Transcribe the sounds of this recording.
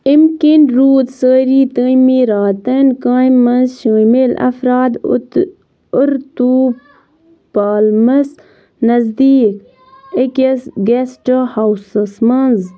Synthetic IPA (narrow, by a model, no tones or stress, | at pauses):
imkinɾuːt̪səːɾiːt̪əːmiːɾaːt̪ɐnkãːmːɐnzʃəːmelɐ̰fɾaːd̪ | ʊɾt̪uːb | paːlmɐs | nɐzd̪iːk | ekɐsɡesʈəhawsəsmɐnz